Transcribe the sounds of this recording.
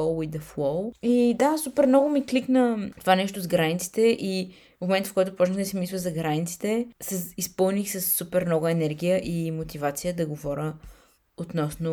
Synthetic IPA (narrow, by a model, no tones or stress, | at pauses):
ɔlˠwid̪ɐflˠɔwˠid̪asupɛɾmnɔɡʊmikliknət̪ovanɛʃt̪ʊzɡɾanʲit̪si̥t̪ɛʔi | momɛnt̪fkɔjt̪ʊpɔt͡ʃnəxnɛsɛmislˠəzɐɡɾanit̪si̥t̪ɛsɛispɤlˠnixsɐsːupɛɾmnɔɡɛnɛɾɡ̟ʲijəʔimot̪ivat̪sijəd̪ɐɡovɔɾʲə | ot̪nɔsnʊ